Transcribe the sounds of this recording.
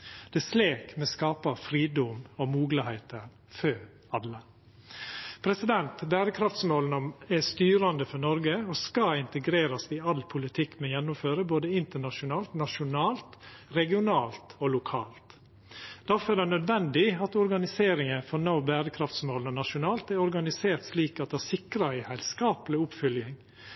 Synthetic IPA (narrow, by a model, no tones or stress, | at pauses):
d̪̥ɛsleːkmɛskɑːpɑfɾiːd̪ʊmɔmuːɡləhɛɪt̪əɾ | føːɾ | ɑlːə | pʰɾɛsɪd̪ɛnt̪bæːɾəkʰɾɑft̪smoːlnɔmɛst̪yːɾɑnd̪əfɔnɔɾɡəɔskɑɪnt̪əɡɾeːɾɑsɪɑlpʰʊlɪt̪ʰɪkːmɛjɛnːʊmføːɾəboːd̪əɪnt̪əɳɑʂʊnɑːlt̪nɑʃʊnɑːlt̪ɾɛɡɪʊnɑːlt̪olʊkʰɑ̰ːlt̪ | d̪̥æɾfɔɾɛd̪ɛnœd̪ʋɛnd̪ɪɑt̪ɔɾɡɑnɪseːɾɪŋəfɔɾnaʊbæːɾəkʰɾɑft̪smoːlnɔnɑʂʊnɑːlt̪æɾɔɾɡɑnɪseːɾt̪ʂliːkɑt̪̚d̪ɛhæsɪkɾɑæɪhæɪlskɑːplɪʊpfʏljɪŋ